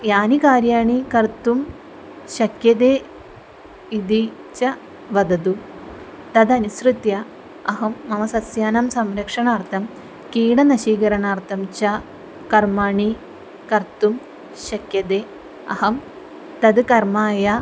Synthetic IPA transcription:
jaːnikaːɾjaːɳikɐɾt̪um | ʃɐkjɐd̪eː | id̪i | t͡ʃɐ | ʋɐd̪ɐd̪u | t̪ɐd̪ɐnisɾɨt̪jɐ | ɐɦɐmːɐmɐsɐsjaːnɐmsɐmɾɐkʂɐɳaːɾt̪ʰɐm | kiːɽɐnɐʃiːkɐɾɐɳaːɾt̪ʰɐmt͡ʃɐ | kɐɾmaːɳi | kɐɾt̪um | ʃɐkjɐd̪eː | ɐ̰hɐm | t̪ɐd̪ɨkɐɾmaːjɐ

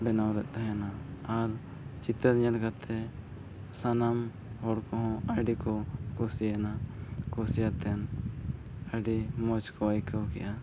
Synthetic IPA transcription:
bɛnawɾɛʔ̪̚ˀt̪aɦanaːɾ | t͡ʃit̪əɾɲənkat̪ʰɛ | sanam | hɔɽkɔɦɔ̃aɖikɔkɔsianakɔsijat̪ɛn | aɖimɔt͡ʃkʰɔajkəwkɛ̰jʔa

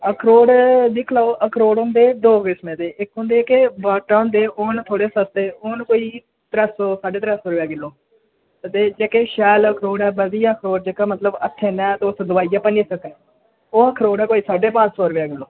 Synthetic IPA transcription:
əkʰɾoːɽd̪ɪkʰlaːoːʔəkʰɾoːɽɦʊ̃nd̪eːd̪oːʋɪːsmẽːd̪eːʔɪkɦʊ̃nd̪eːkebaːʈːaːɦʊ̃ːnd̪eːoːnt̪ʰoːɽeːsəst̪eːoːnkoːiː | t̪ɾəsoːsaːɖeːt̪əɾɛːsoːɾʋaːɡɪlːoː | ət̪eːd͡ʒeːkeːʃɛːləkʰɾoːɽɛːbəd̪ijaːkʰɾoːɖd͡ʒeːkãːmət̪ləbət̪ʰeːnɛ̃ːt̪oʊsd̪ʊʋaːijaːpənd͡ʒeːsəkɛ̃ː | oːəkʰɾoːɽɛːkoːiːsaːɖeːpãːt͡ʃsoːɾʋaːɡɪlːoː

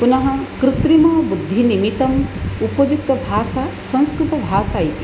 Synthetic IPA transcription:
punɐɦɐkɾɪt̪ɾimɐbud̪ʱːinimit̪ɐmupɐd͡ʒuk̚t̪ɐbʱaːsasɐ̃ñskɾut̪ɐbʱaːsaːjit̪i̥

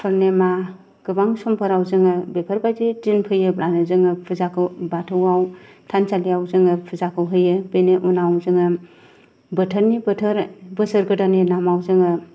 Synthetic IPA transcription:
pʰɯɾnema | ɡ̥ɯbaŋsɔmpʰəɾawzɯŋɯbepʰəɾbajzitinpʰɯjɯblanɯzɯŋɯpʰɯzakʰɯwbatʰɯwaw | tʰansalijawzɯŋɯpʰɯzakʰɯwɦɯjɯbeneʔunawzɯŋɯ | bɯtʰəɾnibɯtʰəɾbɯsɯɾɡɯdanenamawzɯŋɯ

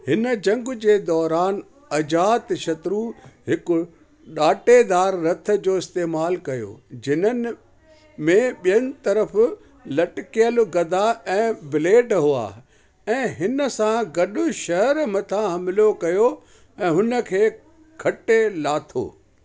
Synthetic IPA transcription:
hɪnə̆d͡ʑɐ̃ŋɡʊ̆d͡ʑeːd̪ɔːɾaːn | ɐd͡ʑaːt̪ʃɐt̪ɾuɦɪkʊ̆ | ɗaːʈed̪aːɾːɐt̪ʰə̆d͡ʑoːɪst̪eːmaːlkɐjo̰ːd͡ʑɪnən | mẽɓijənɪ̆t̪ɐɾəf | lɐʈkijəlɡɐd̪ʱaɛ̃ːbɪleːʈɦua̰ː | ɛ̃ːɦɪnə̆sãɡɐɗʊʃɐɦəɾmɐt̪ʰãɦɐmɪlokɐjo | ɛ̃ːɦʊnə̆kʰeː | kʰɐʈelaːt̪ʰo̰ː

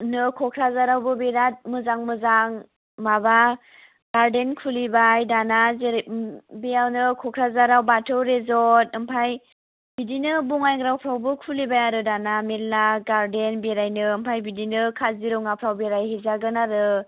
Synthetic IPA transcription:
nɯkʰɔkʰɾazaɾawbɯbeɾat̚mɯzaŋmɯzaŋ | maba | ɡ̥aɾdenkʰulibajdana | bejawnɯkʰɔkʰɾazaɾawbatʰɯwɾezɔt̚ɯmpʰaj | bidinɯbuŋajŋɾawpʰɾawbɯkʰulibajaɾɯdanamelːaɡaɾdenbeɾajnɯɯmpʰajbidinɯkʰaziɾɔwŋapʰɾawbeɾajɦezaɡɯnaɾɯ

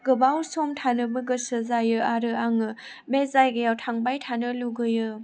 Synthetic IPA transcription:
ɡɯbawsomtʰanɯbɯɡɯsɯzajɯaɾɯaŋɯ | mbezajɡɯjawtʰaŋbajtʰanɯluɡɯjɯ

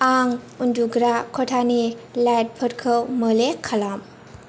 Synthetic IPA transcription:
aŋ | unduɡɾakʰɔtʰanilajt̚pʰəɾkʰɯwməlekʰalam

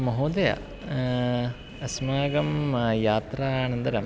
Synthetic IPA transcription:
mɐɦoːd̪ɐjɐ̰ | ɐsmaːɡɐmjaːt̪ɾaːnɐnd̪ɐɾɐm

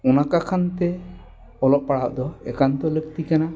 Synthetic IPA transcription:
ɔnakakʰant̪ɛ | ɔlɔp̚paɽaʔd̪ɔɛ̰kant̪ɔlək̚t̪ikana

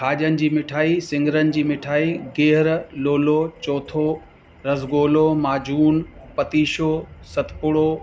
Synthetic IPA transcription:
kʰaːʄənɪ̆d͡ʑiːmɪʈʰaːisɪ̃ŋɡɪɾənɪ̆d͡ʑiːmɪʈʰaːiɡeːɦɪɾloːlot͡ɕɔːt̪ʰo | ɾɐzɡoːlomaːd͡ʑuːnpɐt̪iːʃosɐt̪ʰpʊɽoː

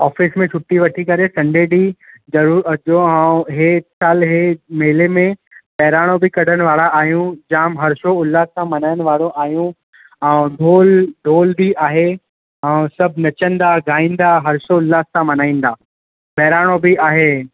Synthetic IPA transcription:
ɔːfɪsmẽt͡ʃʰʊʈːiʋɐʈʰikɐɾesɐ̃ɳɖʱeːɖizɐɾuːɾɐd͡ʒoãɦesaːlɦemeɦɪlemẽ | pɛːɾaːɽ̃obɪkɐɽəñɪ̆ʋaːɽaaːɦijũd͡ʑaːmɦɐɾʃoʊlːaːssãmɐnaːɪəñ̆ʋaːɽoʔaːɦijũ | ɛ̃ɖʱoːlɖʱoːlbiaːɦe | ɛ̃ːsɐbʱnɐt͡ɕə̃nd̪aɡʱaːĩːnd̪aɦɐɾʃoʊlːaːssãmɐnaːĩːn̆d̪aː | pɛːɾaːɽ̃obɪaːɦeː

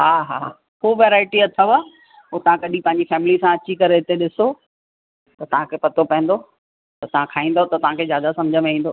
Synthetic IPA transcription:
ɦaːɦa̰ː | ɦoːʋeːɾaːɪʈiɐt̪ʰaʋa | ɦot̪ɐʋ̤ãkɐɗĩpɐ̃ɦɪɲd͡ʑifɛːmɪlisãɐt͡ɕikɐɾeɦɪt̪eɗɪso | t̪ɐt̪ɐʋ̤ãkʰeːpɐt̪opɐɦɪ̃n̆d̪o | t̪ɐt̪ɐʋ̤ãkʰaːĩːnd̪ot̪ɐt̪ɐʋ̤ãkʰeːzjaːd̪asɐmd͡ʑʱəmẽĩːn̆d̪oː

